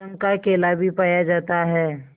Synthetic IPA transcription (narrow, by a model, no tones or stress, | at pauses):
ə̃ŋkakeːlaːbʱipaːjad͡ʒaːt̪aɦɛː